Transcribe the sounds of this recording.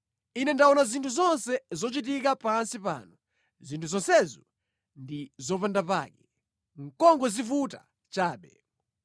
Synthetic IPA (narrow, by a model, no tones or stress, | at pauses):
inɛndaɔnazintʰuzɔnsɛzɔt͡ʃit̬ikapansipa̰ːnu | zintʰuzɔnsɛzɔ | ndizɔpandapa̰ːkɛ | ŋ̩kɔŋɡɔzifuta | t͡ʃaːɓɛ